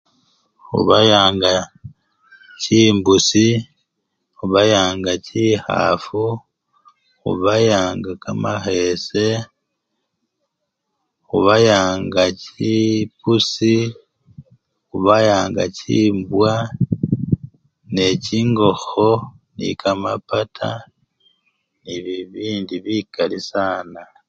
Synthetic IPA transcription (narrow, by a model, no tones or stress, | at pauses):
ṵβajaːŋɡa | ciːmbusi | uβajaːŋɡaciha̰fu | ṵβajaːŋɡakamaxese̞ | uβajaːŋɡacipusi | uβajaːŋɡa̰ciːmbwa | ne̞ciŋɡo̞xo | nḭkamapatʰa̰ | niβiβiːndiβikalisaːna